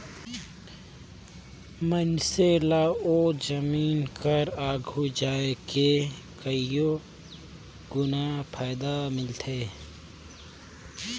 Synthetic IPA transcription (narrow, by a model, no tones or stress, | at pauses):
mənselaoːd͡ʒəmiːnkʰəɾaːɡʱud͡ʒaːeke | kəijo | ɡʊnaːpʰaːd̪amɪlt̪ʰeː